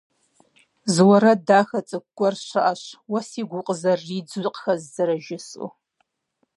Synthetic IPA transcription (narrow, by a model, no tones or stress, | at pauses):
zwɐɾɐdaːxɐt͡sʼɨk̚ʷɡʷʼɔrɕɐʔɐɕwɐsiːɡʷʊqʼəzɐrːiːd͡zqxɐzzɐɾɐʒɪsʼʊ̰